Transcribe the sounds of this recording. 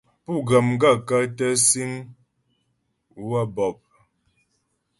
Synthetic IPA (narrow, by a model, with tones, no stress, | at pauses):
pu˦˨ɡə˨m˦ɡa˦˨ka˦tə˦si˦ŋ | wa˦bɔ˨p̚